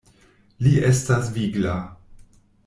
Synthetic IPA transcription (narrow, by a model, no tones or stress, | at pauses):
liʔestasviɡla